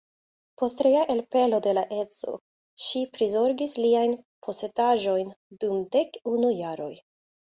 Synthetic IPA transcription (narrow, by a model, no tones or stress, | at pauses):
po̞stɾejaʔe̞lpe̞lo̞de̞laʔe̞t͡so̞̰ | ʃipɾizo̞ɾɡisliajnpʰo̞se̞daʒo̞jndumde̞kunujaɾo̞j